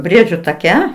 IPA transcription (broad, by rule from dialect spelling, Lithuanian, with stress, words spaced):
ˈbʲrʲiɛd͡ʒʲʊ tɐˈkʲɛ